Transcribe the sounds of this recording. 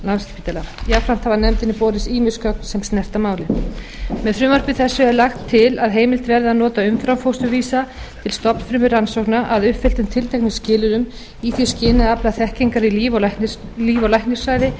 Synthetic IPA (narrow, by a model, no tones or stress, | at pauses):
lansk̪ḁpit̪alajafɾam̥t̪havanɛmt̪ɪnɪpɔːɾɪsiːmɪskʰœk̚nsɛmst̪nɛr̥t̪amaːwlɪ | mɛðfɾʏːmaɾ̥pʏθɛsːʏɛɾlaxt̪ʰːɪlaðɦeːjmɪlt̪vɛɾðɪanɔːt̪aʏmfɾamfowst̪ʏviːsat̪ʰɪlst̪ɔpn̥fɾʏmʏɾansowknaʔaðʏhpfɪl̥t̪ʏmt̪ʰɪlt̪ʰejknɪscɪːlʏɾʏm | iθjɛscɪːnɪðaplaθɛhciŋkaɾivɔliːvɔlajhknɪsaːjðɪ